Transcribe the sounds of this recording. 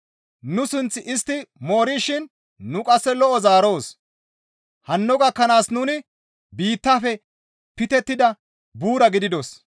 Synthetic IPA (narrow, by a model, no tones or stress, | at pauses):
nʊsʊnt͡sːɪʔɪst̪ːɪmo̞ːɾiːʃɪn | nʊkʼɐsːɛlɔʔɔzaːɾo̞ːs | hɐnːɔɡɐkːɐnaːsnʊnɪ | biːt̪ːafɛ | pɪt̪ɛt̪ːɪd̪ɐ | buːɾɐɡɪd̪ɪd̪ɔs